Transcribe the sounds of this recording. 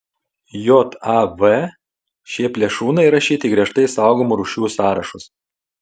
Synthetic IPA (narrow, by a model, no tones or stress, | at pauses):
joːt̪ɑʋɛ | ʃʲiɛpʲlʲiɛʃuːnɐɪɾɐʃʲiːt̪ʲɪːɡɾʲiɛʃt̪ɐɪsɑˑʊɡomuɾuːʃʲuːsɑːɾɐʃʊs